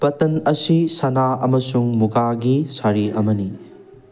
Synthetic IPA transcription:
pɐtɐnɐsisɐnaɐmɐsuŋmuɡaɡisaɾiʔɐmɐni

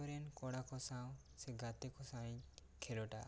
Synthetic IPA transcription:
ɔɾenkɔɽakɔsaw̃ | seɡat̪ekɔsaĩɲ | kʰelɔʈa̰

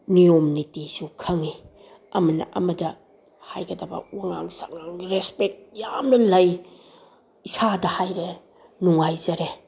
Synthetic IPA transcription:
nijomnitisukʰɐŋi | ɐmɐnɐ̰ʔɐ̰mɐdɐ | hajɡɐdɐbɐ̰waŋa̰ŋsa̰ŋaŋɾespek̚t̚jamnɐlɐj | isadɐhajɾe | nuŋajzɐɾe

